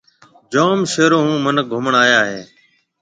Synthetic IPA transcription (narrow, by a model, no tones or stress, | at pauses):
d͡ʒoːmʃeːɾoːɦũːmənək̚ɡʱʊməɳaːjaːɦeː